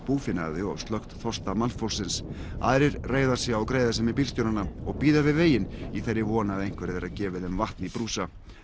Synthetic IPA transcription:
puːfɪnːa̰ðɪɔ̰ɣst̪lœxt̪θɔst̪amanfowlsɪnsa̰ːðɾɪɾreːjðaɾ̥sɛawkɾeːjðasɛmɪp̬iːlsc̪ownanaɔɣpiːðavɪðveːjɪniθeɾːɪvɔːnaðejŋ̥kvɛɾɛðɛɾaðcɛːvɪðɛmvaht̪nipɾuːsa

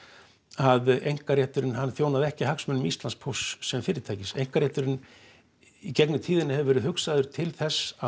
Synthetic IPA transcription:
aðejŋ̥kaɾjɛht̪ʏɾɪnhanːθjoːwnaðɛhcɪhaksmʏnʏmist̪lanspʰusːɛmfɪːɾɪɾt̪ʰaːjcɪsḛjŋ̥kaɾjɛht̪ʏɾɪn | icɛknʏmt̪ʰiːðɪnːɪhɛvʏvɛːɾɪðhʏksaðʏɾ̥t̪ʰɪlθɛsː

